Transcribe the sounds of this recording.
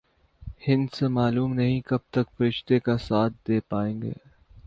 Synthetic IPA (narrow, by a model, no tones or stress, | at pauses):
hɪ̃nd̪semaːluːmnɐɦĩkɐb̚t̪ɐkfɐɾɪʃt̪ekasaːt̪̚ʰd̪eːpaːẽːŋɡḛː